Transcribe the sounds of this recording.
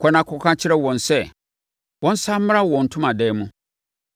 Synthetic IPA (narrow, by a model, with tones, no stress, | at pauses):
kʷʰɔ˨nã˨˦kʰʊ˦kʰã˦t͡ɕʰɪ˦ɾɛ˦wɔ̃˨nsɛ˦˨ | wɔ̃˦n̩˦sã˦m̩˦m˦a˦wɔ̃˨n̩˨tʰʊ̃˦mã˨dɛː˨˦mũ˦